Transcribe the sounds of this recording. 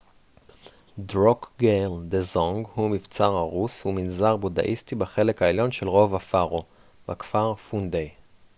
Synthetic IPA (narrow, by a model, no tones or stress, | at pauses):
dʁokɡeld̪ezoŋɡhumift͡saʁhaʁushuminzaʁboda̰ʔistibaχe̞lekaeljo̞nʃe̞lʁo̞vafaʁo | vakfaʁfund̪ej